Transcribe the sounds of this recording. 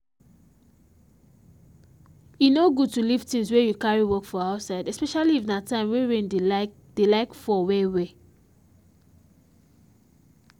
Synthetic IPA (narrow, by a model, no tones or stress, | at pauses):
jinoɡud̚tulivtĩnswejukaɹiwɔkfɔaʊsaɪdɛspɛʃaliifnatãɪ̃mweɹẽn | d̥elaɪkfɔwewe